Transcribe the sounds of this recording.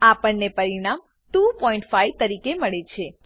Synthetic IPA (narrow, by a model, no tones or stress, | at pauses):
apəɳnepəɾiɽ̃am | ʈupɔĩɳʈfait̪əɾikeməɭet͡ʃʰe